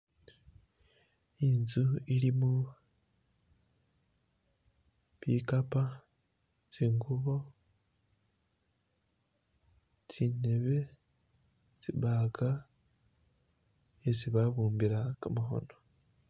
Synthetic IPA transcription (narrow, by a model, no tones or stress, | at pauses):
inzuilimu | βikapa | t͡siːŋɡuβo | t͡sineβe̞ | t͡siβaɡa | esiβaβuːmbiɾakamaɦo̞̰no̞